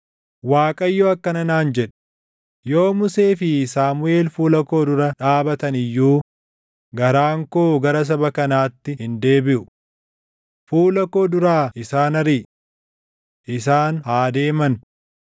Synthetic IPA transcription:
waːkʼɐjːoːɐkːɐnɐnaːnd͡ʒɛᶑɐ̥ | jo̞ːmʊseːfɪsaːmʊʔe̞ːlfuːlɐko̞ːd̪ʊɾɐᶑaːbɐt̪ɐnɪjːuː | ɡɐɾaːŋkoːɡɐɾɐs̬ɐbɐkɐnaːt̪ːɪhɪnd̪e̞ːbɪʔʊ | fuːlɐko̞ːd̪ʊɾaːɪsaːnɐɾiː | ʔɪs̬aːnhaːd̪e̞ːmɐn

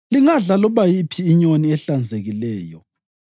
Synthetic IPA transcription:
liŋaɮalɔβajipʰiːɲoniɛɬand͡zʱeɣilɛːjɔ̰

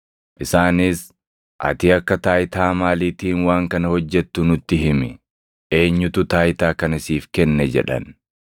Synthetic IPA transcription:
ʔɪsaːnɪs | ʔɐ̰t̪iːɐkːɐt̪aːjɪt̪aːmaːliːt̪iːnwaːŋkɐnɐhɔd͡ʒːɛt̪ːʊnʊt̪ːɪɦɪmɪ | ʔe̞ːɲːʊt̪ʊt̪aːjt̪aːkɐnɪsiːfkɛnːɛd͡ʒɛ̰ᶑɐ̰n

